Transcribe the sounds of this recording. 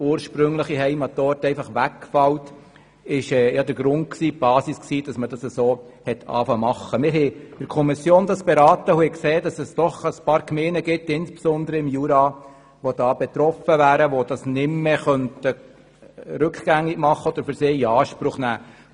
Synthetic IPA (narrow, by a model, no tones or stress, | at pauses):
uːɾʃpɾʏŋləχiɦɛɪmɑt̪ɔːɾtɛɪfɑχʋækːfɑwt | ɪʃɛːjɑd̪əɾɡ̥ɾʊnt̚ksiːb̥ɑːsisksiːd̥ɑsməd̥ɑsəsoː | hɛt̪ʰɑ̰ːfɑmɑχːəmɪɾhɛd̥ɪɾkʰɔmisjoːnd̥̪ɑsb̥ɛɾɑːtəhʊhɛkseːd̥ɑsɛsd̥ɔχəspɑːɾkmeːnəɡɪtːɪnsb̥esɔnd̪əɾəɪmjuɾɑː | ʋod̥ɑːb̥ɛt̪ɾɔfəʋæːɾəʋod̥ɑsnɪmːeχœntə | ɾʉkχɡ̥æŋɪɡ̥mɑχːəɔd̥̪əɾfʏɾseːiɑːʃpɾʊχnæː